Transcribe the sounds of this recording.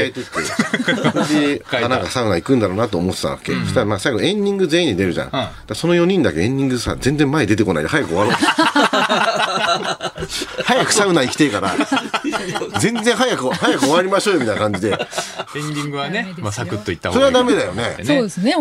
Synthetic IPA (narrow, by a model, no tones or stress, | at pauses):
aet̪e̥t̪ːesodeanãkasaɯ̟naikɯ̟̃nd̪aɾo̞ːnat̪̬oːmot̪ːet̪a̰βa̰kḛst̪amaːsaiɡo̞ẽ̞ɲ̟dʲĩŋɡɯ̟ze̞ːĩɲ̟ːid̪e̞ɾɯ̟ʑã̰ŋd̪aso̞no̞jo̞ɲ̟ĩnd̪akeẽɲːʲĩŋɡɯsa̰zẽ̞nzẽmːaed̪e̞t̪e̞ko̞na̰ḭd̪eɦajakɯ̟oβaɾo | hajakɯ̟̥saɯ̟naikʲi̥t̪ekaɾa | d͡zẽ̞nzẽ̞ɰ̃ɦajakɯhajakɯ̟oβaɾʲimaɕo̞ːjomit̪ainakãɲ̟d͡ʑid̪e̞ẽɲĩŋɡɯanmsakɯt̪ːoit̪ːaso̞ɾe̞ad̪ame̞d̪ajo̞nesoːd̪esne